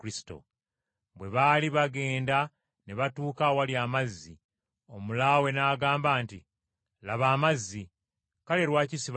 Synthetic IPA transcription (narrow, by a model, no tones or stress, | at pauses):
kɾisi̥to̰ | βwe̞βaːliβaɡe̞ːnda | neβatuːkawaliaːmazːi | omulawe̞naːɡaːmbaːnti | laβaːmazːi | kale̞ɾwaːcisiβ